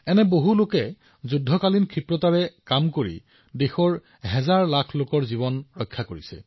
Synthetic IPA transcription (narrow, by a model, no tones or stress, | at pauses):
ɛnɛboɦulokɛ | zudʱːɔkalinkʰɹipɹɔtaɹɛkamkoɹḭ | dexɔɹ | ɦɛzaɹlakʰlokɔɹziβɔnɹɔjkʰːakoɹisɛ̰